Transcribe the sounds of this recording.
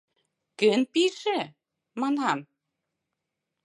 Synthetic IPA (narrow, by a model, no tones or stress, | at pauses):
kɘnpiʃɘ | mɑnɑn